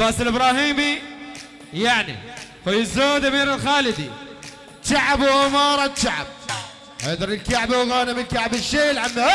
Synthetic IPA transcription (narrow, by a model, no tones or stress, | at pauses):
basɪlʔɪbɾˤɑːɦiːmi | jaʕnḭfojɪzːoːd̪amiːɾɪlxaːlɪd̪ḭ | t͡ʃaʕabwʔamɑːɾˤɑt̪t͡ʃaʕa̰b̚ | hajɪʔd̪ˤɑɾˤɪlkaʕbawɣaːnamɪlkaʕbɪʃːeːlʕanːa